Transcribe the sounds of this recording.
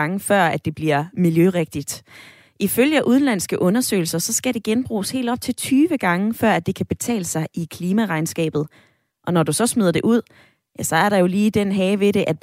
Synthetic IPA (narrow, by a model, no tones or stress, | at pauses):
ŋəfɶɐ̰æd̥e̝b̥liɐ̰miljøʁeɡ̥̚d̥id̥ | ʔiføljəʔuð̞ˠlæn̰sɡ̥əʔɔ̽nɐsø̰ːɪl̩sɐsɒ̽sɡ̥æɾe̝ɡ̥enb̥ʁṵːshe̝̰ːld̥ɒ̽b̥̚t͡sʰe̝lt͡sʰyːʋəɡ̥ɑ̈ŋəfɶɐ̰æd̥e̝kʰæb̥e̝t͡sʰɛ̰ːləsɑ̈ɪʔikʰliːmæʁɑ̈ɪnsɡ̥ɛ̰ːb̥ð̩ˠ | ʔɒ̽nɒdusɒ̽smyðˠɐd̥e̝ʔuð̰ˠ | jæsɒ̽æɐɾɑ̈jo̝liːd̥en̰ɦɛɪʋe̝ɾe̝ʔæd̥